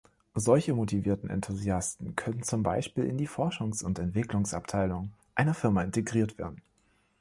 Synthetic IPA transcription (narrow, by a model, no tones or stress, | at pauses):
zɔlçəmotʰiviːɐtn̩ɛ̰ntʰuziastn̩kʰœnənt͡sʊmba̰ɪʃpiːlɪ̰ndiːfɔɐʃʊŋsʊntɛntv̥ɪklʊŋsa̰p̚tʰaɪlʊŋʔaɪnɐfɪɐmaɪnteɡʁiːɐtv̥eːɐdn̩